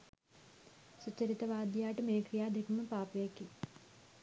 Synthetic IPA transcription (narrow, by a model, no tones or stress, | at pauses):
sut͡ʃɐɾit̪ɐʋaːd̪jaːʈmeːkɾijaːd̪ʱikmɐpaːpʋeːki